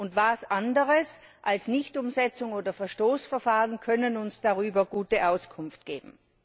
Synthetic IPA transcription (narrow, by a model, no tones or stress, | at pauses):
ʊntvaːsʔandəʁəsʔalsnɪçtʊmzɛt͡sʊŋoːdɐfɛɐʃtoːsfɛɐfaːʁənkʰœnənʊnsd̥aʁyːbɐɡ̥uːtəʔaʊskʰʊnft̚ɡ̥eːbm̩